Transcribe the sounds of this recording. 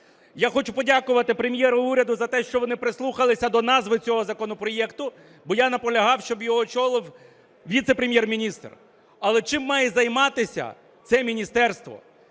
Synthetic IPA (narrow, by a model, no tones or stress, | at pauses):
jaxɔt͡ʃʊpɔdʲakʊʋɐt̪ɪpɾemʲjɛɾʊuɾʲɐd̪ʊzɐt̪ɛʃt͡ʃɔʋɔnɪpɾɪslˠuxɐlˠɪsʲɐd̪ɔnɑzʋɪt͡sʲɔɦɔzɐkɔnɔpɾɔjɛkt̪ʊ | bɔjanɐpɔlʲɐɦɑwʃt͡ʃɔbjɔɦɔt͡ʃɔlˠɪw | ʋʲit̪sepɾʲemʲjɛrmʲinʲist̪r | ɐlˠɛt͡ʃɪmːɑjɛzɐjmɑt̪ɪsʲɐ̰ | t̪sɛmʲinʲist̪ɛrst̪ʋɔ̰